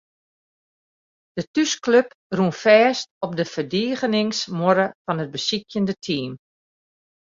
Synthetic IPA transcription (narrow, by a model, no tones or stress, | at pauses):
d̥ətyskløp | runfɛːstɔp̚dəfərdiːɣənɪŋsmoɾəfɔnɦət̚bəsikjəndətʰiːm